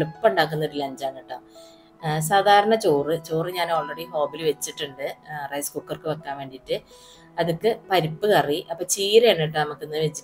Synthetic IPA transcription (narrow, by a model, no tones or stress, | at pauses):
ɭɨpːɨ̥pːuɳɖaːk̬ːunːɐɽilɐɲd͡ʑaːɳːiʈːaː | s̬aːd̪ʱaːɾɐɳɐt͡ɕoːrɨt͡ɕoːrɨɲaːnɐɭːɐɽiɦo̞ːbilɨʋet͡ɕːiʈːuɳɖɨrɐjskuːkːɐrkɨʋekːaːmʋe̞ːɳɖiʈːɨ | ɐðukːɨpɐɾipːɨkɐriʔɐpːɐːt͡ɕiːɾeɳːiʈːɨnɐmukːenːɨʋet͡ɕːi